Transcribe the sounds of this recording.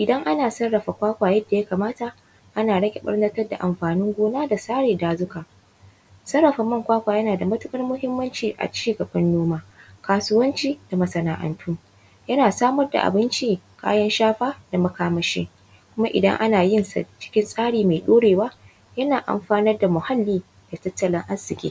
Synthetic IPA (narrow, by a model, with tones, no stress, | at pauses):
ʔɪ˨dɐ˦ŋʔa˦naː˨sɐ˦rːɐ˨ɸa˨kʷaː˦kʷaː˨jɐ˦dːa˨ja˦kaː˨maː˦ta˨ | ʔa˦naː˨ɽɐ˦kʲe˨ɓɐ̰˦ɽnɐ˦tɐ˦rda˨ʔa˨mɸaː˨nɪ˦ŋɡʷoː˦naː˦da˨saː˦ɽeː˨daː˨zʊ˦kaː˨ | sɐ˦rːɐ˨ɸa˨mɐ˦˨ŋkʷaː˦kʷaː˨jɐ˦naː˨da˨mɐ˦tʊ˦kʼɐ˦rmʊ˦hɪ˦mːɐ˦nt͡ʃiː˨ʔa̰˨t͡ʃiː˦˨ɡɐ˨bɐ˦nːoː˦maː˦kaː˨sʊ˦wɐ˦nt͡ʃiː˦da˨mɐ˨sɐ˨naː˨ʔɐ̰˨ntʰuː˦ŋ | jɐ˦naː˨saː˦mɐ˦rda̰˨ʔa̰˨bɪ˦nt͡ʃiː˦kʰa̰ː˦jɐ˦nʃaː˦ɸaː˦da˨mɐ˦kaː˦mɐ˦ʃḛː˦ | kʷʊ˦ma˦ʔɪ̰˨dɐ̰˦ŋʔa̰˦naː˨jɪ˦nsa̰˨t͡ʃɪ̥˦kʲɪ˦nsʼaː˦ɽiː˨ma˨ɗoː˦ɽeː˨waː˦ | jɐ˦naː˨ʔa̰˨mɸaː˦nɐ˦rda˨mʊ˨ha˦lːiː˦ | d̥a˨tɐ˦tːɐ˨lɪ˦ŋʔa˦sːɪ˨kʲḛː˦